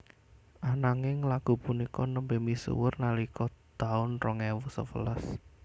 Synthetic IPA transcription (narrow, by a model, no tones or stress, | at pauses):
ʔanaŋɪŋlaɡ̥ṳpunikɔnəmbemisṵwərnalikɔd̪̥aʊnrɔŋɛwɔsə̰fə̰ləs